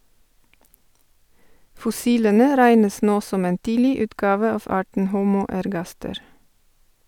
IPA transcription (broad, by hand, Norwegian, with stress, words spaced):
fɔˈsiːlənə ˈɾæɪnəs ˈnoː ˈsɔm ˈeːn ˈtiːlɪ ˈʉːtˌɡɑːʋə ˈɑːʋ ˈɑːʈɳ̩ ˈhuːmuː ɛɾˈɡɑstəɾ